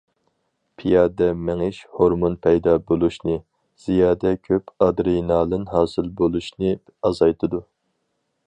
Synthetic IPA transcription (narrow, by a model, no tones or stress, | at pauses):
pʰijɑːd̪ɛmɪŋɪʃhoɾmonpʰɛjd̪ɑːbolˠuʃnɨ | z̥ijɑːd̪ɛkʲʰøpɑd̪ɾinɑːlɨnɦɑːsɨlbolˠuʃnɨ | ɑzɑjt̪ʰɨd̪u